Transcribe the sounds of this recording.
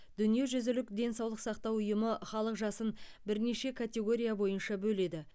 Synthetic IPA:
d̪̥ʏnije̞ʒʏzɪlɪkd̪e̞nsɑwlˠəqsɑqt̪ɑwʊjəməχɑlˠəqʒɑsənbɪɾne̞ʃe̞kʰat̪ʲe̞ɡo̞ɾʲijabo̞jənʃɑbɵle̞d̪ɪ

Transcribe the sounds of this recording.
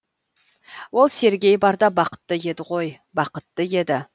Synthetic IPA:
wo̞lˠse̞ɾɡʲe̞jbɑɾd̪ɑbɑqə̥t̪ːəje̞d̪ɪʁo̞j | bɑqət̪ːəje̞d̪ɪ

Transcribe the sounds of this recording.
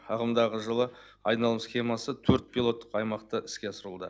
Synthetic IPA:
ɑʁəmd̪ɑʁəʒəlˠə | ɑjnɑlˠəmsχʲe̞mɑsət̪ʰɵɾt̪̚pʰilˠo̞t̪ːəqɑjmɑqt̪əʔɪskʲe̞səɾəlˠd̪ə̰

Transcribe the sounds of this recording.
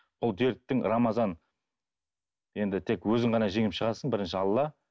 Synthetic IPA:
b̥ʊlˠd̪eɾt̪ːɪŋɾɑmɑzɑn | je̞nd̪ɪt̪ʰe̞kwɵzɪɴʁɑnɑʒe̞ŋɪpʃəʁɑsəɴbɪɾɪnʃɪɑlˠːɑ

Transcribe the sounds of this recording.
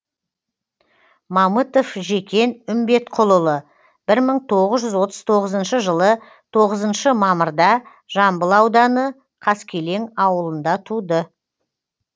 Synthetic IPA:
mɑmət̪o̞fʒe̞kʲe̞nʏmbe̞t̪qʰʊlˠəlˠə | b̥ɪɾməɴt̪ʰo̞ʁəzʒʏzwo̞t̪əz̥t̪ʰo̞ʁəzənʃəʒəlˠə | t̪ʰo̞ʁəzənʃəmɑməɾd̪ɑ | ʒ̥ɑmbəlˠɑwd̪ɑnə | qʰɑskʲʰe̞le̞ŋɑwəlˠənd̪ɑt̪ʰud̪ə

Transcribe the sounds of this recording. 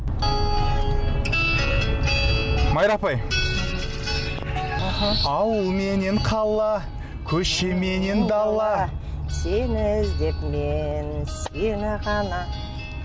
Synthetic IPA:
mɑjɾɑpɑj | ɑwəlˠme̞neɴqʰɑlˠːɑ | kʲʰɵʃeme̞ne̞nd̪ɑlˠːɑ | senɪzd̪epmensenɪʁɑnɑ

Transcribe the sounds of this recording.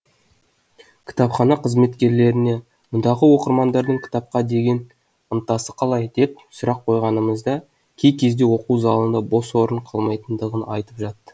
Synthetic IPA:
kʲʰɪ̥t̪ɑpχɑnɑqʰəzme̞t̪kʲe̞ɾle̞ɾɪne̞ | mʊnd̪ɑʁəwo̞qəɾmɑnd̪ɑɾd̪əɴkʲʰɪ̥t̪ɑp̚qɑd̪e̞ɡʲe̞n | ənt̪ɑsəqʰɑlˠɑjd̪̥e̞p̚sʊɾɑq̚qʰo̞jʁɑnəməzd̪ɑ | kʲʰe̞jkʲʰe̞zd̪e̞wo̞quzɑlˠənd̪ɑbo̞swo̞ɾəɴqʰɑlˠmɑjt̪ənd̪əʁənɑ̰jt̪əpʒɑt̪ːə̥

